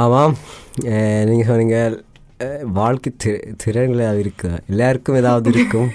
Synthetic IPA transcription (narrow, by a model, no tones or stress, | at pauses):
aːmaːm | niːŋɡɐsɐmniŋɡɐl | ʋaːɭkit̪ʰiɾt̪ʰiɾɐnɡɐɭeaːʋiɾɯkːɯɣɐelːaːʋɐrkːɯmeðaːʋɐðiɾɯkːɯm